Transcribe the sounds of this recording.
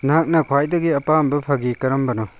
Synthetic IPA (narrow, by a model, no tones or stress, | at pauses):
nɦak̚nɐkʰwajdɐɡiɐpambɐpʰaɡikɐɾɐmbɐnɔ